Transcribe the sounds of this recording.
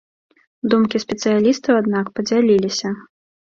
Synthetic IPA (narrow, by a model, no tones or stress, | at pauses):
d̪umkʲispʲɛt̪sɨjalʲist̪ɐwad̪nakpɐd͡zʲalʲilʲisʲɐ